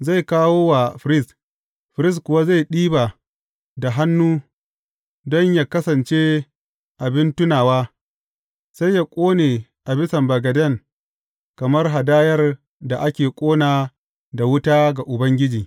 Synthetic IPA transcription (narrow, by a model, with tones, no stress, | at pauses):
za˦˨jkaː˦woː˦wa˨ɸɪ˨ɾɪ˦s | ɸɪ˨ɾɪ˦skʷʊ˨wa˦za˦˨jɗiː˦ba˨ | da˨ɦa˦nːuː˦ | dɔ˦ɲja˦˨kɐ˦sɐ˨nt͡ʃeː˦ | ʔa˨bɪ˦ntʊ˦naː˨waː˦ | sa˦jːa˦kʷʼoː˦neː˨ʔa˨bɪ˦sɐ˨mbɐ˨ɡɐ˨dɛ˦˨ŋ | kɐ˨mɐ˦rɦa˨daː˦jɐ˦r | da˨ʔa˦kʲeː˨kʷʼoː˦naː˨ | da˨wʊ˦taː˦ɡa˨ʔʊ˨bɐ˦ŋɡʲɪ˦d͡ʒiː˨